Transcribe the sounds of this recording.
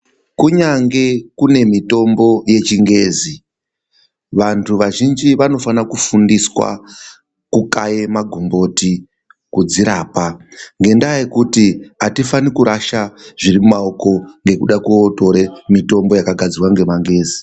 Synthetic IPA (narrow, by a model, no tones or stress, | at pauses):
kuɲaŋɡe̞kune̞mito̞mbo̞je̞t͡ʃiŋɡe̞ːzi | ʋantʰuʋaʒind͡ʒiʋano̞fanakufundiswa̰ | kukaje̞maɡʱumbo̞ti | kud͡ziɾaːpaŋɡe̞ndajekutiatifanikuɾaʃaʐirimumaoko̞ŋɡe̞kuɗakuːto̞ɾemito̞mbojakaɡʱad͡zirwaŋɡe̞maŋɡe̞ːzi